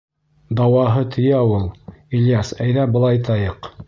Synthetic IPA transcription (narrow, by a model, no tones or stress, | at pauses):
d̪ɑwɑɦɤt̪ʰɵ̆jæulˠiljɑsæjðæbɤ̆lˠɑjt̪ɑjɤq